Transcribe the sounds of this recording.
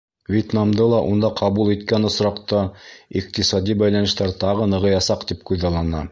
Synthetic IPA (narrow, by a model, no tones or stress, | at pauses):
vʲet̪nɑmd̪ɤlˠɑʔund̪ɑqʰɑβulˠit̪kænŏsɾɑqt̪ɑiq̚t̪isɑd̪ibæjlænɘ̆ʃt̪æɾt̪ɑʁɤnɤ̆ʁɤ̆jɑsɑqt̪ipkʉðɑlˠɑnɑ̰